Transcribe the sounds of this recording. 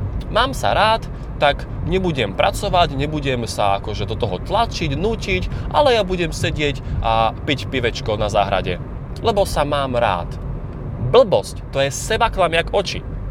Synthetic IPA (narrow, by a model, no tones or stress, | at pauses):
maːmsa̰ɾaːt̪ː | ak | ɲɛbuɟɛmpɾʔat͡sɔʋaɟɲɛbuɟɛmsaakɔʒɛd̪ɔt̪ɔɦɔt̪lat͡ʃiɟnuːcicʔa̰lɛjabuɟɛmsɛɟɪɛcʔapicpiʋɛt͡ʃkɔnazaːɦɾa̰ɟɛ̰ | lɛbɔsamaːmɾa̰ːt̪ | bl̩bɔsct̪ɔjɛsɛbaklamɪakɔt͡ʃḭ